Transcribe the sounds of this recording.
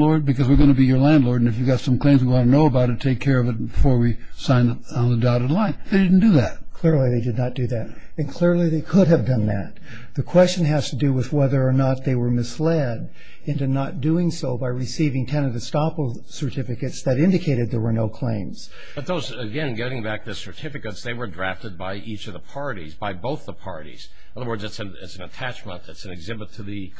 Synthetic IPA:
ɔɹd̚bɨkʰʌzwɨɹɡʌ̃ñɨbijə˞læ̃ndˡlɔɹɾɨ̃nɨfjɨɡɑtsʌ̃mkʰl̥ẽɪ̃mzwiwɑ̃nənoʊəbaʊɾʰɨtʰeɪkʰːɛɹʌvɨt̚b̥ɨfɔɹwisãɪ̃n | n̩ðədaʊɾɨlãɪ̃nðeɪdɪdⁿn̩d̥ɨðæt̚kʰl̥ɪɹlˠiðeɪdɨdⁿnət̚d̥ɨðæɾ | ɨ̃nkʰl̥ɪɹlˠiðeɪkʰʊɾɨvdʌ̃nðæ̰t̪̚ | ðɨkʰw̥ɛst͡ʃɨ̃nɦæz̥tʰɨdɨwɪðwɛðə˞ːnət̪̚ðeɪwə˞mɪslɛd | ɪ̃ntʉnət̚d̥ʉɪ̃ŋsoʊbaɪɹɨsivɪ̃ŋtʰɛ̃nɨɾɨstɑpl̩ˠ | sə˞tʰɪfɨkɨtsðɨɾɪ̃ndɨkʰeɪɾɨd̪̚ðə˞wə˞noʊkʰl̥ḛ̃ɪ̃mz̥ | b̥ʌt̪̚ðoʊzɨɡɛ̃nɡɛɾɪ̃ŋbæk̚ðɨsə˞tʰɪfɨkɨtsðeɪwə˞dɹæftɨd̚baɪʔit͡ʃʌvðəpʰɑɹɾḭzbaɪboʊθðəpʰɑ̰ɹɾḭz̥ | ʌðə˞wɜ˞dzɨtsnɪ̰tsn̩ɨtʰæt͡ʃmə̰̃ntɨtsn̩ɨɡzɪbɨtʰɨðɨ

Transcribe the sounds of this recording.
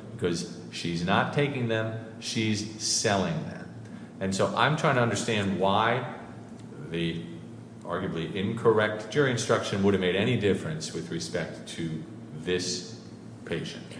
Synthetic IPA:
b̥ɨkʰʌz̥ | ʃiznətʰeɪkɪ̃ŋðɨ̃m | ʃiz̥sɛlˠɪ̃ŋðɨ̰̃m | ɨ̃nsoʊʔã̰ɪ̃mtʰɹ̥aɪɪ̃ŋtʰɨʌ̃ndə˞stæ̃nd̚waɪ | ði | ʔɑ̰ɹɡjɨbliʔɪ̃nkʰə˞ɛk̚t̚ʒ̥ə˞ɨ̃nstɹ̥ʌkʃɨ̃nwʊɾɨvmeɪɾɛɾ̃idɪfɹɨ̃nswɨðɹɨspɛk̚tʰɨ | ðɪs | pʰeɪʃɨ̃nt

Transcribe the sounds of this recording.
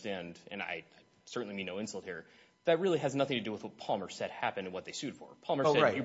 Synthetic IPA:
tæ̃ndɨ̰̃na̰ɪaɪ | sɜ˞ʔn̩limĩnːoʊɪ̃nsʌl̩ˠt̚hiɹ | ðɨt̚ɹɪlˠiɨznʌθɪ̃ŋtʰɨdɨwəðwʌt̚pʰɑlˠmə˞sɛd̚hæpɨ̃nɨ̃nwʌt̪̚ðeɪsʉd̥fə̰˞pʰɑlˠmə˞sɛaɪjɨ

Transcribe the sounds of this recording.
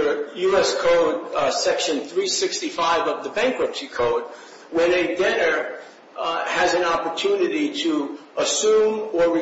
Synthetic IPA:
jʉɛskʰoʊd̚sɛkʃɨ̃nθɹisɪkstifaɪvʌvðɨbæ̃ŋkwəpsikʰoʊd̚ | wɨ̃nɨdɛnə˞ | ɨzɨ̃nɑpə˞tʰʉnɨɾiɾəʔəsũmə˞ɹi

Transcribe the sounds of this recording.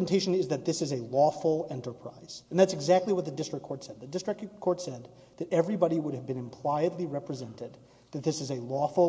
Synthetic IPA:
n̩tʰeɪʃɨ̃nɪzðɨt̪̚ðɪsɨzɨlɔfl̩ˠɛ̃ntə˞pʰɹ̥a̰ɪz̥̃n̩ðætsɨɡzæk̚tˡliwʌt̪̚ðɨdɪstɹ̥ɨkʰɔɹtsɛd̪̚ðɨdɪstɹ̥ɨkkʰɔɹtsɛd̪̚ | ðɨɾɛvɹibɑɾiwʊɾɨvbɨ̃nɨ̃mpʰl̥aɪɨdˡliɹɛpɹɨzɛ̃ntɪd̪̚ | ðɨt̪̚ðɪsɨzɨlɔfl̩ˠ

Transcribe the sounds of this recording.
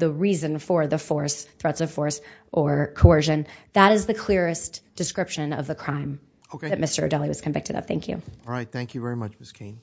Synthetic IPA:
ðəɹizɨ̃nfə˞ðɨfɔɹsθɹɛtsʌv̥fɔɹsʔə˞kʰoʊɜ˞ʒɨ̃nðəɾɨzðɨkʰl̥ɪɹɨsd̥ɨskɹɪpʃɨ̃nʌ̰vðɨkʰɹ̥ãɪ̃m | okeðɨt̚mɪstə̰˞dɛlˠiwʌz̥kʰɨ̃ndɪk̚tɨɾʌ̰p̚θæ̃ŋkʰjʉ̰ɹaɪt̪̚θæ̃ŋkjʉvɛɹimʌt͡ʃmɪskʰẽɪ̃n

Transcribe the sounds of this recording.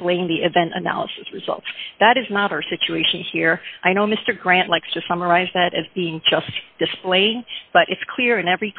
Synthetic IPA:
pleɪɪ̃ŋðiʔɨvɛ̃ntɨ̰næ̰lˠə̰sɨsɹɨzʌ̰lˠtsðɨɾɨznəɾaʊə˞sɪt͡ʃʉeɪʃɨ̃nhiɹʔaɪnoʊmɪstə˞ɡɹæ̃nʔlaɪkstʰɨsʌmə˞aɪzðɨɾɨzbiɪ̃ŋd͡ʒʌsd̥ɨspleɪɪ̃ŋb̥ʌɾʔɨtskʰl̥ɪɹɨ̃nɛvɹi

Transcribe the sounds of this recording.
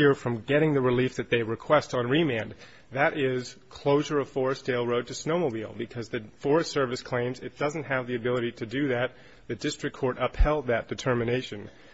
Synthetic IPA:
ɪɹfɹʌ̃mɡɛɾɪ̃ŋðɨɹɨlifðɨt̪̚ðeɪɹɨkʰw̥ɛstn̩ɹimæ̃n | ðɨɾʔɪz̥kʰl̥oʊʒə˞ʌv̥fɔɹɨsd̥eɪlˠɹoʊd̚tʰɨsnoʊmoʊbilˠbɨkʰʌzðɨfɔɹɨstsɜ˞vɨskʰl̥ẽɪ̃mzɨt̚d̥ʌzn̩t̚ɦɨvðiɨbɪlˠɨɾiɾɨdɨðɨt̪̚ | ðɨdɪstɹ̥ɨkʰɔɹɾʌphɛlˠd̪̚ðɨt̚d̥ɨtʰɜ˞mɨneɪʃɨ̃n

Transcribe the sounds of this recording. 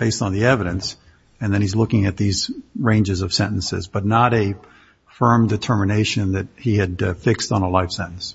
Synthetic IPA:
b̥eɪstn̩ðiɛvɨɾɨ̃ns | ɨ̃nðɨ̃ñizlʊkɪ̃ŋɨt̪̚ðizɹẽɪ̃nd͡ʒɨzʌv̥sɛ̃nn̩sɪ̰zbʌtⁿnəɾɨ | fɜ̃˞mdɨtʰɜ˞mɨneɪʃɨ̃nðɨt̚hiɨd̚fɪkstn̩əlaɪfsɛ̃nn̩s

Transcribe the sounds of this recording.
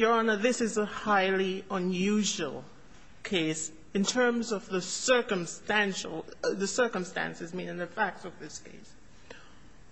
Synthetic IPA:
jənəðɪsɨzəhaɪlˠiə̃njʉʒə̰l̩ˠ | kʰeɪs | ɨ̃ntʰɜ̃˞mzʌvðəsɜ˞kə̃mstæ̃nʃl̩ˠðɨsɜ˞kə̃mstæ̰̃nsɨzmĩnɨ̃nðɨfæk̚tʌvðɪskʰḛɪs

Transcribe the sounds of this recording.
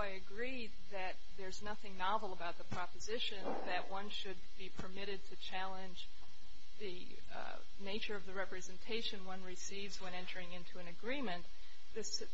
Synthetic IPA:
aɪɨɡɹi | d̪̚ðɨt̪̚ðə˞znʌθɪ̃ŋnɑvl̩ˠəbaʊt̪̚ðəpʰɹ̥ɑpɨzɪʃɨ̃nðɨʔ̚wʔʌ̃nʃɨd̚bipʰə˞mɪɾɨd̚tʰɨt͡ʃʰælˠɨ̃nd͡ʒ | ðɨ | neɪt͡ʃə˞ʌvðɨɹɛpɹɨzɨ̃ntʰeɪʃɨ̃nwʌ̃nɹɨsivzwə̃nɛ̃ntʰə˞ɪ̃ŋɪ̃ntʰʉɨ̃nɨɡɹĩmɨ̃n | ðɪs

